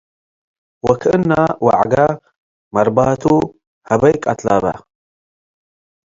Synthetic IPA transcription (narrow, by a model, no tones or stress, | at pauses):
wɐkʰɨnːawa̰ʕɡa | mɐɾbaːt̪ʰu | hɐbɐjkʼa̰t̪ʰlaːba̰